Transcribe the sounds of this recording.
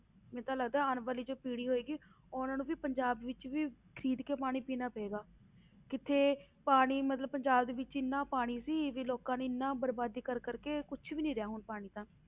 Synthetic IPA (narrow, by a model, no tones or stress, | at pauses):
mɛ̃ːt̪ãːləɡd̪aːɛːənʋaːliːd͡ʒoːpiːɽiːɦoːeːɡiː | oːnãːnũːʋiːpəɲd͡ʒaːbʋɪt͡ʃʋiːkʰəɾiːd̪keːpaːɽ̃iːpiːnaːpeːɡaː | kɪt̪ʰːeː | paːɽ̃iːmət̪ləbpəɲd͡ʒaːbd̪eːʋɪt͡ʃɪnːãːpaːɽ̃iːsiːʋiːloːkãːnũːɪnːãːbəɾbaːd̪iːkəɾkəɾkeːkʊt͡ʃʰʋiːnĩːɾɪjaːɦʊnpaːɽ̃iːt̪ãː